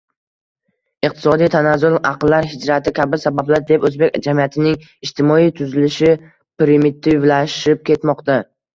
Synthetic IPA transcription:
ɪqt̪ʰɪ̥sɒd̪ijt̪ʰanazʊlˠaqlːaɾɦɪd͡ʒɾat̪ʰɪkʲabɪsabablaɾd̪e̞pɵzbekʲd͡ʒamijat̪ʰɪnɪŋ | ɪʃt̪ʰɪmɒijt̪ʰʊzɪlɪʃɪ | pɾɪmɪt̪ʰːɪlaʃɪp̚kʲʰe̞t̪mɒqt̪a

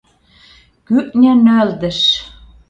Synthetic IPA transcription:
kyʔnʲænøld̪ɘ̆ʃ

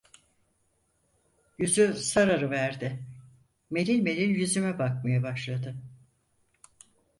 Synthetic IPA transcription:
jyzysaɾaɾɯvæɾd̪ɪ | me̞lʲilʲme̞lʲilʲjyzymɛbak̚majabaʃlˠad̪ɯ

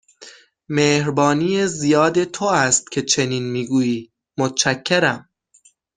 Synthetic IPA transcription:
meːhɾbɒːniːjezijɒːd̪e̞t̪ʰoæst̪̚cʰe̞t͡ʃʰe̞niːnmiːɡuːjiː | mot̪t͡ʃʰækʰːeɾæm

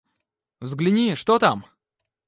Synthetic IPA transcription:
vzɡlʲɪnʲiʂt̪ot̪am

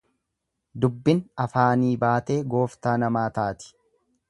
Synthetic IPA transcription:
d̪ʊbːɪnɐfaːniːbaːt̪e̞ːɡo̞ːft̪aːnɐmaːt̪aːt̪ɪ̥

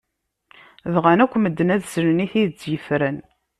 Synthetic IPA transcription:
ðʁænækʷːməd̪ːənæðsəɾniθiðt͡sːjəfɾən

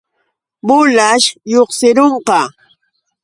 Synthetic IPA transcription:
mʊlaʃjoχsɪɾoɴqɑ

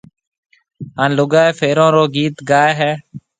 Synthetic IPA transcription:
aːnloɡaːeːfʰeːɾõːɾoːɡiːt̪ɡaːeɦɛː

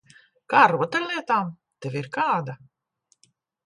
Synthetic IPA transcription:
kaːɾuɔt̪ɛɾʲlˠiɛt̪aːm | t̪ɛvʲiɾkaːd̪a

